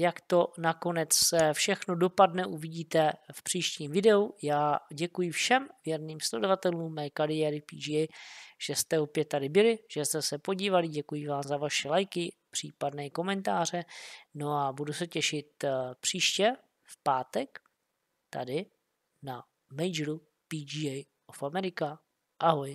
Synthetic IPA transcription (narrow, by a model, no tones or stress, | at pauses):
jakt̪o̞nako̞nɛt͡ssɛfʃɛxno̞do̞padnɛʔuvɪɟiːt̪ɛfpr̥iːʃciːmvɪdɛujaːɟɛkujɪfʃɛmvjɛɾniːmslɛdo̞vat̪ɛluːmːɛːkaɾɪjɛːɾɪpiːd͡ʒɛʒ̥ɛst̪ɛo̞pjɛt̪ːadɪbɪlɪʒ̥ɛst̪ɛsɛpo̞ɟiːvalɪɟɛkujɪvaːmzavaʃɛlajkɪ | pr̥iːpadnɛːko̞mɛnt̪aːr̝ɛno̞abudusɛcɛʃɪt̪pr̥iːʃcɛ | fpaːt̪ɛk | t̪a̰dɪ | na | mɛjd͡ʒɾu | pid͡ʒiɛj | ofamɛɾɪka | ʔaɦoj